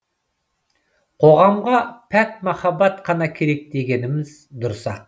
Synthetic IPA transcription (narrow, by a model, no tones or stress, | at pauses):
qʰo̞ʁɑmʁɑpʰæt̪̚mɑχɑbɑt̪qʰɑnɑkʲʰe̞ɾe̞k̚d̪e̞ɡʲe̞nɪmɪz | d̪ʊɾsɑ